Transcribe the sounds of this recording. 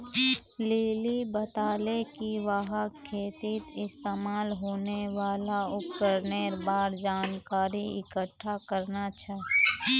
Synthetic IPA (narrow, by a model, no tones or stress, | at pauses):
leːlibət̪aːlekiʋaɦəkʰːeːt̪ɪt̪ɪst̪eːmaːlɦoːneʋaːlaʊkkəɾneɾbaːɾd͡ʒaːnkaːɾiɪ̰kəʈʰːakəɾnat͡ʃʰɛ